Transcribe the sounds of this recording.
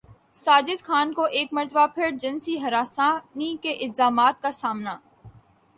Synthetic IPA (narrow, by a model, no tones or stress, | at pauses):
saːd͡ʒɪd̪xʰaːnkoʔeːkmɐɾt̪əbapʰɪɾd͡ʒɐnsiɦɐɾaːsãnikeʔɪlzaːmaːt̪̚kasaːmnaː